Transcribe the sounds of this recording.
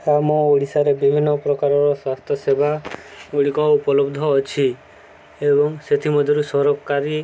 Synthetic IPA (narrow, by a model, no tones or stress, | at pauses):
amõoɽisaɾebibʱinːɔpɾɔkaɾɔɾɔswast̪ʰjɔsebʱaɡoɽikɔupɔlɔbd̪ʱɔːt͡ʃʰi | ebɔŋset̪ʰimɔd̪ʱjɔɾusɔɾɔkkaɾi